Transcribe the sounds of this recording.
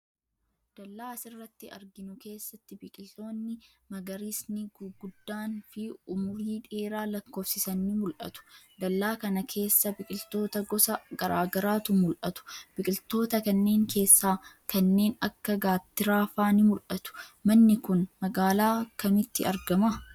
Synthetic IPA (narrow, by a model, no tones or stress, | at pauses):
d̪̥ɐlːaːsɪrːɐt̪ːɪɐ̰ɾɡɪnʊke̞ːsːɐt̪ːɪbɪkʼɪlt̪o̞ːnːɪ | mɐɡɐɾiːsnɪɡʊɡʊd̪ːaːnfɪʊmʊɾiːᶑe̞ːɾaːlɐkːo̞ːfsɪsɐnːɪmʊlʔɐ̰t̪ʊ̥d̪ɐlːaːkɐnɐkʰe̞ːsːɐbɪkʼɪlt̪o̞ːt̪ɐɡɔsɐɡɐɾaːɡɐɾaːt̪ʊmʊlʔɐt̪ʊ̥b̥ɪkʼɪlt̪o̞ːt̪ɐkɐnːe̞ːŋkʰe̞ːsːaː | kɐnːe̞ːnɐkːɐɡaːt̪ːɪɾaːfaːnɪmʊlʔɐt̪ʊ̥mɐnːɪkʊnmɐɡaːlaːkkːɐmɪt̪ːɪ̰ɐɾɡɐmɐ